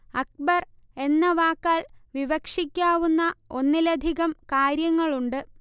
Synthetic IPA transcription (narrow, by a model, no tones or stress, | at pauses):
ɐk̚bɐr | e̞nːɐʋaːkːaːlʋiʋɐkʂikʲːaːʋunːɐo̞nːilɐd̪ʱiɣɐmkaːɾjɐŋːɐɭuɳɖɨ